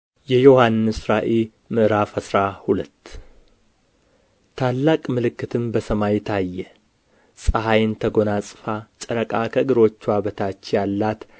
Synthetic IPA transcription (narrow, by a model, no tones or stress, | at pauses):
jɛjo̞hanːɨsɾaʔe | mɨʔɨɾafəsɾahulət̪ː | t̪ʰalːakʼmɨlɨkːɨt̪ʰɨmbəsəmajt̪ʰajːɛ | sʼəɦajnt̪ʰəɡo̞nasʼɨfat͡ʃʼəɾəkʼakʰəɡɨɾo̞t͡ʃːwaβət̪ʰat͡ʃːjalːat̪